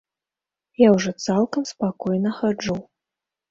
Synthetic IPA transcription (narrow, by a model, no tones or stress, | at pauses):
jawʐɔt̪salˠkɐmspakɔjnɐxad͡ʐuw